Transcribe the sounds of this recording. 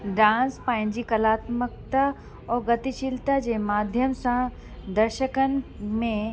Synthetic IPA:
ɖãːnspãːɪ̃ɲ̆d͡ʑikɐlaːt̪məkt̪a | ɔːɾɡɐt̪iʃilt̪ad͡ʑemaːd̪ʱjəmsã | d̪ɐɾʃəkən̆mẽ

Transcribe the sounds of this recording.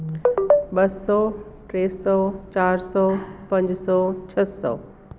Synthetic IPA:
ɓɐsɔːʈɾeːsɔt͡ɕaːɾsɔːpɐ̃ɲd͡ʑsɔːt͡ɕʰəsɔ̰ː

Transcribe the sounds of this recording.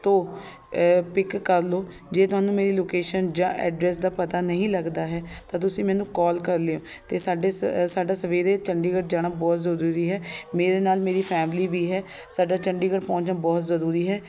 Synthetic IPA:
t̪õː | pɪkːəɾloː | d͡ʒeːt̪ʊɦaːnũːmeːɾiːloːkeːʃənd͡ʒãːʔɛ̰ːɖɾɛːsd̪aːpət̪aːnəɦĩːləɡd̪aːɦɛːt̪ãːt̪̬ʊsĩːmɛ̃ːnũːkɔːlkəɾleoː | t̪eːsaːɖeːsaːɖaːsəʋeːɾeːt͡ʃəɳɖiːɡəʈ̚d͡ʒaːɽaːbɔːt̪zəɾuːɾiːɦɛːmeːɾeːnaːlmeːɾiːpʰɛːmliːʋiːɦɛː | saːɖaːt͡ʃəɳɖiːɡəʈpɔ̃ːt͡ʃnaːbɔːt̪zəɾuːɾiːɦɛː

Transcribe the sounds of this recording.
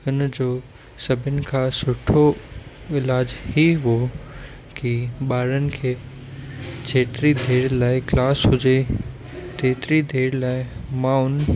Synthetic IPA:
ʊnd͡ʑoː | sɐbʱɪnɪ̆kʰãːsʊʈʰo | ɪlaːd͡ʑhiɦo | kiɓaːɾənɪ̆kʰeː | t͡ɕʰeːt̪ɪɾid̪ʱeːɾlaːɪklaːsɦʊd͡ʑe | t̪eːt̪ɾid̪ʱeːɾlaːɪmãʊn

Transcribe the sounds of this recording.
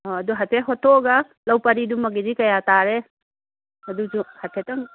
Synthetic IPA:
ɔɐduɦɐtʰeɦɔtʰɔɡɐ | lɐwpɐɾidumːɐɡidikɐjataɾe | ɐdusuhɐtʰetɐŋ

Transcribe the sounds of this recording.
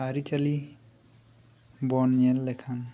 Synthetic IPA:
aɾit͡ʃɐli | bɔnjelːekʰan

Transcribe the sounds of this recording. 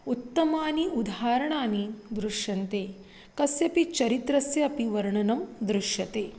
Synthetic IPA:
ut̪ːɐmaːniud̪ʱaːɾɐɳaːnid̪ɾuʂjɐnt̪eː | kɐsjɐpit͡ʃɐɾit̪ɾɐsjɐːpiʋɐɾɳɐnɐmd̪ɾuʂjɐt̪eː

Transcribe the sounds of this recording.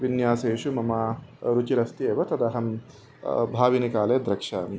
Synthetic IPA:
bɪnːɪjaːseːʃʊmɐmaːɾʊd͡ʒɪɾɐst̪ɪeːbɐt̪ɐd̪aːɦɐm | baːbɪnɪkaːleːd̪ɾɐkʃaːm

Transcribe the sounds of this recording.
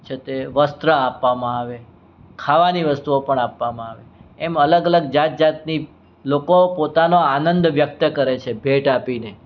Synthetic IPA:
t͡ʃʰet̪eʋəst̪ɾəapːamãaʋe | kʰaʋaniʋəst̪uopəɳapʋamãaʋeɛmələɡələɡ̚d͡ʒat̪̚d͡ʒat̪ni | lokopot̪anoanənd̪ʋjək̚t̪əkəɾet͡ʃʰebʱeʈapine

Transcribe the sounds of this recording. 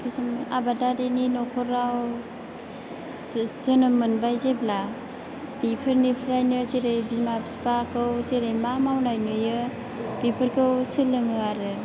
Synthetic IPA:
kʰɯsuma̰badadeninɔkʰɔɾaw | z̥ɯnɯmɯnbajzebla | b̥ipʰɯɾnipʰɾajnɯzeɾejbimapspakʰɯwzeɾejmamawnajnɯjɯ | b̥ipʰɯɾkʰɯwsɯlɯŋɯaɾɯ

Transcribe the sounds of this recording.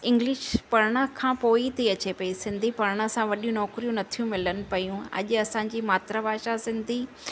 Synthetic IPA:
ɪ̃ŋɡlɪʃpɐɽɽ̃ə̆kʰãːpoːit̪ʰiɐt͡ɕepɐisɪ̃nd̪ʱipɐɽɽ̃ə̆sãʋɐɗijũnɔːkɾijũnɐt̪ʰijũmɪlənɪ̆pɐjũɐ̰ʄɐsãɲ̆d͡ʑiːmaːt̪ɾabʱaːʃasɪ̃nd̪ʱi

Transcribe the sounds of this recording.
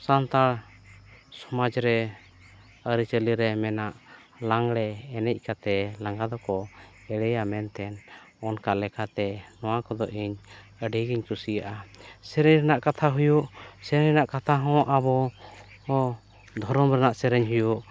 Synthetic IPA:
sant̪aɽ | sɔmad͡ʒɾɛ | əɾit͡ʃəliɾɛmɛnaʔ | laŋɽɛːnɛc̚ˀkat̪ɛlaŋɡad̪ɔkɔ | ɛɽɛjamɛnt̪ɛn | ɔnkaʔlɛkʰat̪ɛnɔwakɔd̪ɔʔiɲ | əɖiɡiɲt̪usijaʔasɛɾɛɲɾɛnaʔkat̪ʰaɦujuʔsɛɾɛɲnaʔkat̪ʰaɦɔ̃ʔabɔ | d̪ʱɔɾɔmɾɛnaʔsɛɾɛɲɦujuʔ

